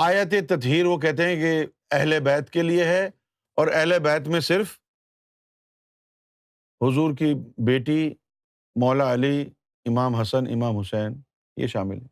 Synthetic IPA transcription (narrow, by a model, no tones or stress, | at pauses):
aːjat̪̬et̪ɐt̪ɦiːɾʋok̬ɛɦt̪̬eɦɛ̃ke | ɛɦlebɛːt̪kelieɦɛ | ɔːɾɛɦlebɛːt̪̬mẽsɪɾf | ɦʊzuːɾkibeːʈi | mɔːlaɐli | ɪmaːmɦɐsənɪ̰maːmɦʊsɛːn | jḛʃaːmɪ̰lɦɛː